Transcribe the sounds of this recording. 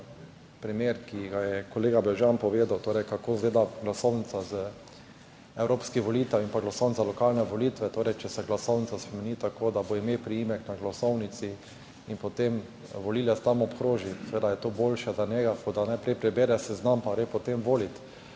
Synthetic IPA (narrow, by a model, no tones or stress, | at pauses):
pɾimeɾkiɡajɛkoleːɡabɛʒjanpɔʋeːd̪awt̪oːɾɛjkakoːzɡleːd̪aɡlasownit̪sazə | ɛwɾoːpskiʋɔliːt̪ɛwinpaɡlasownsalɔkalnɛʋolit̪ʋɛt̪oːɾɛjt͡ʃɛsɛɡlasownitsaspɾɛmɛniːt̪akoːd̪aboimeːpɾiimɛknaɡlasɔwnit̪si | inpot̪em | ʋɔliːlɛst̪amɔpkɾoːʒisɛʋeːd̪ajɛt̪oboːlʃɛd̪anɛɡakod̪anajpɾɛjpɾɛbeːɾɛsɛznampaɾepɔt̪emʋoːlit̪